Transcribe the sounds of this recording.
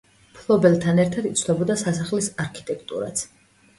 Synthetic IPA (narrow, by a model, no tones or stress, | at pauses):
pʰlˠɔbɛlt̪ʰanɛɾt̪ʰad̪it̪sʰnɔbɔd̪asasaχlisaɾkʰi̥t̪ʼɛkʰt̪ʼṵɾa̰t̪sʰ